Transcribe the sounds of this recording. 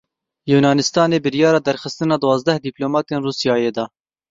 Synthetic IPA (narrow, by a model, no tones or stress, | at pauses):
juːnɑːnɪst̪ɑːneːbɨɾjɑːɾɑːd̪ɛɾxɨst̪ɨnɑːd̪wɑːzd̪ɛhd̪iːploːmɑːt̪eːnruːsijɑːjeːd̪ɑː